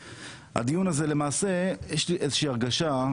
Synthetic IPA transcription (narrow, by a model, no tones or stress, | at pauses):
ha̰d̪ijunaze̞le̞maːse̞jeʃliʔezeʃiːaʁɡaʃa